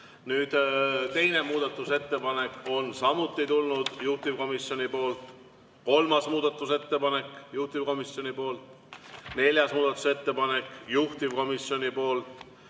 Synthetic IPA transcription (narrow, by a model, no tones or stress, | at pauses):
nyːd̪̥t̪e̞jne̞muːd̪̥ɑt̪ˑːuse̞t̪ːe̞pɑne̞ko̞nsɑmut̪ːˑit̪ulnud̪̥juht̪ivko̞misjo̞nʲipo̞ːlt̪ˑ | ko̞lmɑsmuːd̪ɑt̪ːˑuse̞t̪ːe̞pɑne̞kjuht̪ivko̞misjo̞nʲipo̞ːlt̪ | ne̞lʲjɑsmuːd̪ɑt̪ːˑu̥se̞t̪ːe̞pɑne̞kjuht̪ivko̞misjo̞nʲipo̞ːlt̪